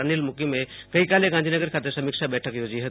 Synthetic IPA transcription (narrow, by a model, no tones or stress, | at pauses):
nilmukimekəikalẽɡãnd͡ʒʱinəɡəɾkʰat̪əɾsəmikt͡ʃʰabɛʈʰəkjod͡ʒiɦə